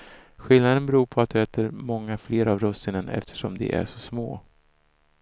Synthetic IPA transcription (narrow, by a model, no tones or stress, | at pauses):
ɧɪlnad̪ənbɛɾuːɾpʰɔat̪̚d̪ɵɛːt̪ʰəɾmɔŋːafleːɾavɾɔst̪ɪnənɛ̰ft̪ʰə̥ʂɔmd̪ɛ̰ʔæ̰ʂɔsmo̰ː